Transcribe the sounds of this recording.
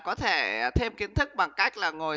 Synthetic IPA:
kɔ˨˦t̪ʰe˧˩˨t̪ʰe˧mki˨˦ənt̪ʰɨ˦˥k̚ɓa˨˩ŋka˦˥jk̟̚laː˨˩ŋo˨˩

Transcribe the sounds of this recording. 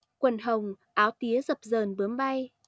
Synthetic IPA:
kwə˨˩nɦə˨˩wŋ͡m | ʔaː˨˦wt̪i˨˦əzə˨˩p̚zəː˨˩nɓɨ˨˦əmɓa˧j

